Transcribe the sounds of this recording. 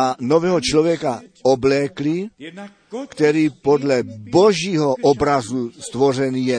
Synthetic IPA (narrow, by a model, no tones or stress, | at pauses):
anovɛːɦɔt͡ʃlɔvjɛkaoblɛːkli | kt̪ɛɾiːpod̪lɛboʒiːɦoʔɔbɾazust̪vorɛnijɛ